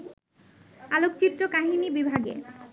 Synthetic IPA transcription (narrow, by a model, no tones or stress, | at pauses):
alokt͡ɕit̪ːɾokaɦinibibʱaɡḛ